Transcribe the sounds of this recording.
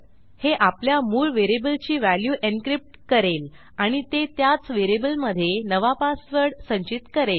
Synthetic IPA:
heʔapljamuːlʋeɾebəlt͡ɕiːʋæljuʔenkɾip̚ʈkəɾel | aɽ̃it̪et̪jat͡sʋeɾebəlməd̪ʱːjenəʋapasʋəɾɽsə̃ɲt͡ɕit̪kəɾel

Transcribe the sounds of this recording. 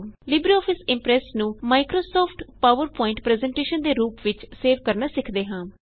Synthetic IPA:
lɪbɾiɔːpʰɪsɪ̃mpɾɛːsnũːmaːɪkɾoːsɔːpʰʈpaːʋəɾpɔːɪ̃ɳʈpɾɛːzɛ̃ɳʈeːʃənd̪eːɾuːpʋɪt͡ʃseːʋkəɾnaːsɪkʰd̪eːɦãː

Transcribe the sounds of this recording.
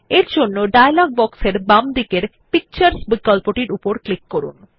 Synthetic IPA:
eɾd͡ʑonːoɖajalɔɡ̚bɔkseɾbamd̪ikeɾ | pik̚t͡ɕaɾsbikalpoʈiɾupoɾklikːoɾṵn

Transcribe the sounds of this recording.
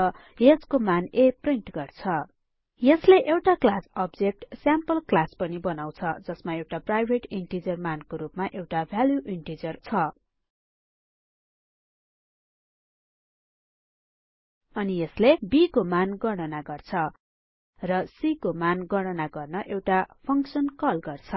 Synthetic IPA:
jed͡zkomanepriɳʈɡʌrt͡sʰʌ | jʌsleʔewʈaklasʌbd͡zek̚ʈsjampʌlklaspʌnibʌnaw̃t͡sʰʌd͡zʌsmaewʈaprajbʱeʈiɳʈid͡zʌrmankoɾupmaʔewʈabʱaljuʔiɳʈid͡zʌrt͡sʰʌ | ʌnijʌslebikomanɡʌɽ̃ʌnaɡʌrt͡sʰʌ | rʌsikomanɡʌɽ̃ʌnaɡʌrnʌʔewʈapʰʌŋksʌnkʌlɡʌrt͡sʰʌ

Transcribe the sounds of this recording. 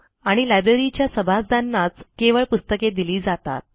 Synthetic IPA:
aɽ̃ilajbɾeɾit͡ɕjasəbʱasd̪ʱanːat͡skeʋəɭpust̪əked̪iliːd͡zat̪a̰t̪̚

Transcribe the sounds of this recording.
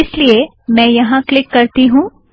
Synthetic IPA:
ɪslie | mɛ̃ːjɐɦãklɪkːɐɾt̪iɦũː

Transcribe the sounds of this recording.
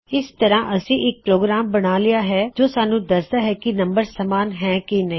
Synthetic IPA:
ɪst̪əɾãːʔəsĩːʔɪk̚pɾoːɡɾaːmbəɽ̃aːlɪjaːɦɛːd͡ʒoːsaːnũːd̪əsd̪aːɦɛːkinə̃mbəɾsəmaːnɦɛ̃ːkinɐĩː

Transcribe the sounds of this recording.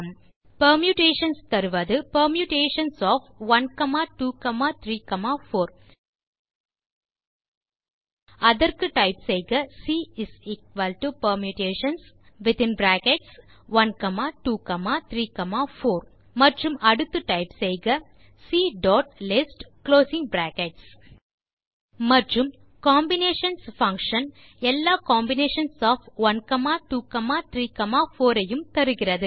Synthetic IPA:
pɐɾmjuʈeːʃɐnst̪ɐɾɯʋɐðɯpɐɾmjuʈeːʂɐnsɔːfʋɐnkɐmaːʈuːkɐmaːt̪ʰɾiːkɐmaːfoːɾ | ɐðɐɾkɯʈɐɪpsɛjɡɐsiːɪsiːk̚ʋɐlʈupɐɾmjuʈeːʃɐns | ʋɪt̪ɪnbɾæːkɛʈs | ʋɐnkɐmaːʈuːkɐmaːt̪ʰɾiːkɐmaːfoːɾ | mɐʈrɯmɐɽɯt̪ːɯʈɐɪpsɛjɡɐ | siːɖɔːʈ̚lɪsʈkloːsɪ̃ŋɡbɾaːkɛʈs | mɐʈrɯm | kaːmbɪneːʂɐnsfɐ̃ŋkʂɐn | ɛlːaːkaːmbɪneːʂɐnsɔːfʋɐnkɐmaːʈuːkɐmaːt̪ʰɾiːkɐmaːfoːɾɐjɯmt̪ɐɾɯɣɪɾɐðɯ

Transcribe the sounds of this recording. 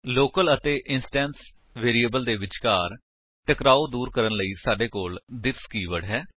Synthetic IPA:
loːkələt̪eːʔɪnsʈɛːns | ʋeːɾiːəbəld̪eːʋɪt͡ʃkaːɾ | ʈəkɾaːoːd̪uːɾkəɾənləiːsaːɖeːkoːld̪ɪskiːʋəɽɦɛː

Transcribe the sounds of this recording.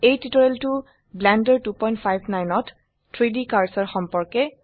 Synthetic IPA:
ejtitɔɹeltʊ | blɛndɛɹtupɔjntpʰajbʱnajnɔt | tʰɹidikaɹsɔɹxɔmpɔɹkɛ

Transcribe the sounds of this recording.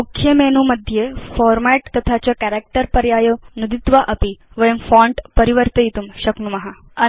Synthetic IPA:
mukʰjemenuməd̪ʱːjefɔɾmɛʈt̪ət̪ʰat͡ɕakɛɾek̚ʈəɾpəɾjajonud̪it̪ʋaʔəpiʋəjəmfɔ̃ɳʈpəɾiʋəɾt̪əjit̪umʃəknumɐɦa | ə

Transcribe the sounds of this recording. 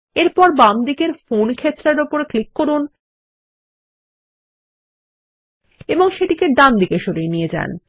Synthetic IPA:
eɾpɔɾbamd̪ikeɾfonkʰet̪ːɾaɾopoɾklikːoɾun | eboŋʃeʈikeɖamd̪ikeʃoɾienijed͡ʑa̰n

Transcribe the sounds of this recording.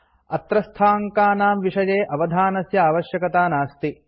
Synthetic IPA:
ɐt̪ɾɐst̪ʰaːŋkaːnaːmʋiʂɐjeːʔɐʋɐd̪ʱaːnɐsjɐaːʋɐʃjɐkɐt̪aːnaːst̪i

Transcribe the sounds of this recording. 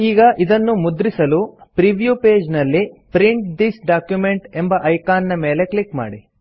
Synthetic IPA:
iːɡɐʔid̪ɐnːumud̪ɾisɐlupɾiʋjupeːd͡ʒnɐlːipɾiɳʈd̪isɖaːkjume̞ɳʈe̞mbɐʔɐjkaːnnɐme̞ːle̞kɭikma̰ːɽi

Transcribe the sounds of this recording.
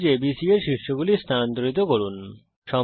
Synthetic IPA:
d͡ʑebisieɾʃiʃːoɡulist̪ʰant̪oɾit̪̬okoɾun | ʃɔ

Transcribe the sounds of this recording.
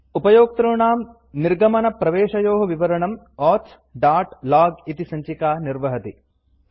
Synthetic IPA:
upɐjoːk̚t̪ɾuɳaːm | niɾɡɐmɐnɐpɾɐʋeːʃɐjoːɦɐʋiʋɐɾɐɳɐm | ɔːt̪s | ɖaːʈlaːɡit̪isɐɲt͡ʃikaːniɾʋɐɦɐt̪i

